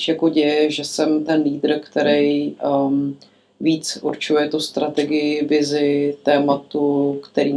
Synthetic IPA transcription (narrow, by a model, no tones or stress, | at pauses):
ʃjakoɟɛjɛʒɛsɛmt̪ɛnliːd̪ɾ̩kt̪ɛɾɛj | viːt͡sʔṵɾt͡ʃujɛt̪ust̪ɾat̪ɛɡɪjɪvɪzɪt̪ɛːmat̪ukt̪ɛɾiː